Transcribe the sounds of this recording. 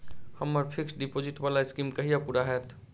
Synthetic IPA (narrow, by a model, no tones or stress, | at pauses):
hɐmːəɾpʰɪksɖipod͡ʒɪʈbaːlaɪskiːmkɐɦijapuːɾaɦɛːt̪ʰ